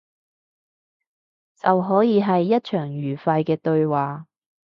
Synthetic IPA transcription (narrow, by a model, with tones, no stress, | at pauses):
t͡sɐ˨wɦɔː˨˥jiː˨˧ɦɐ˨jːɐ˥t̚t͡ʃʰœː˨˩ŋjyː˨˩fɐ˧jkɛː˧t̪ɵ˧ɥwaː˨˩